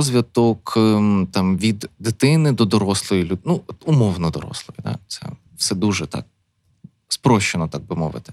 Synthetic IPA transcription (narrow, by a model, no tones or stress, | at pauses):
ɔzʲʋʲɐt̪ɔkt̪ɑmʋʲid̪d̪ɪt̪ɪnɪd̪ɔd̪ɔɾɔslˠɔjilʲunut̪ʊmɔwnɔd̪ɔ̰ɾɔ̰slˠɔjʊd̪ɛ̰t̪sɛ̰ | wsɛd̪uʒɛt̪ɑ̰k̚ | spɾɔʃt͡ʃenɔt̪aɡ̚bɪmɔ̰ʋɪ̰t̪ɪ̥